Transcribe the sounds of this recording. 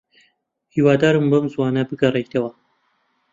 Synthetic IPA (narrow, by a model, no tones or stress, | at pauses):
hiːwaːd̪aːɾɨmbɐmzwaːnɐbɨɡɐrˤejt̪ʰɐwɐ